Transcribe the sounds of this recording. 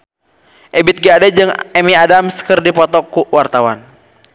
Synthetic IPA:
ʔɛbit̪̚ɡiadɛd͡ʒɨŋɛmiadamsə̥kərdipɔt̪ɔkuwart̪awan

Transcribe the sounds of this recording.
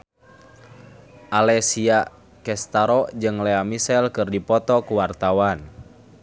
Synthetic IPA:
ʔalɛsia | kɛst̪aɾɔʔd͡ʒɨŋlɛamisɛlkɨrdipɔt̪ɔkuwart̪awan

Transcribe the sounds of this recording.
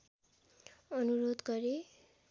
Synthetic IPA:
ʌnuɾod̪ɡʌɾe

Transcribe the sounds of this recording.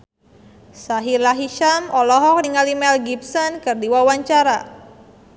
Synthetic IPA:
saɦilaɦiʃamɔlɔɦɔk̚niŋalimɛlɡipsɔnkɨrdiwawaɲt͡ʃaɾa

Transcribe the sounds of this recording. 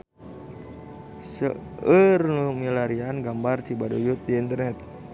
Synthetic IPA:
səərnumilaɾianɡambart͡ʃibadojut̪̚diːnt̪ərnɛt̪̚

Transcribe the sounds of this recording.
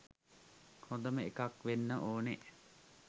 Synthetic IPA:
hõd̪əməekakʋenːəʔoːne

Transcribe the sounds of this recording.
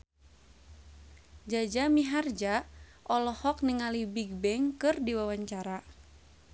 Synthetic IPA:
d͡ʒad͡ʒamiɦard͡ʒa | ʔɔlɔhɔk̚niŋalibiɡ̚bɛŋkɨrdiwawaɲt͡ʃaɾa

